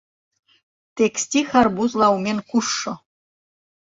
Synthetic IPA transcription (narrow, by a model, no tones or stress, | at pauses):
t̪eksʲt̪ʲixɑrbuzlˠɑwmʲenkuʂːɤ̆